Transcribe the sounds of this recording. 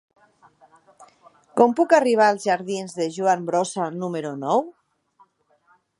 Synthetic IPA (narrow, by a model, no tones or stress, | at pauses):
kɔmpukariβ̞aːlˠzʒaɾðinzðeʒuambɾɔsanumeɾunɔw